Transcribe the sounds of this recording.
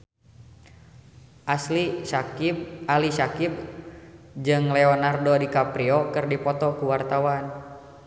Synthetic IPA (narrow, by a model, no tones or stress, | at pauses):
ʔaslisakb̚alisakib̚ | d͡ʒɨŋlɛɔnardodikapɾiɔkɨrdipɔt̪ɔkuwart̪awan